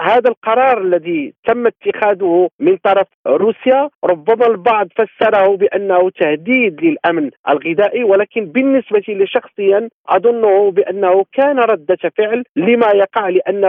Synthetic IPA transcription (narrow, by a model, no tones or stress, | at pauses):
hæd̪ælqɑɾˤɑɾˤəlːæd̪it̪æmːat̪ːəxæd̪ʊhʊmənt̪ˤɑɾˤɑfɾusjaɾˤʊbːæmalbɑʕd̪ˤfæsːɑɾˤɑhʊbəʔənːæhʊt̪ahd̪iːd̪ləlʔæmnʔə̰lɣɪd̪æːʔiwælæːkənbənːəsbat̪iləʃɑxsˤəjːanʔɑ̰d̪ˤʊnːʊhʊbəʔənːahʊkæːnaɾˤɑd̪ːafəʕlləmajɑqɑʕləʔænː